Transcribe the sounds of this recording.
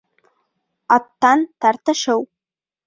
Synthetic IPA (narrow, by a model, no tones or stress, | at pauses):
at̪ʰːant̪ʰart̪ʰɨʂɨw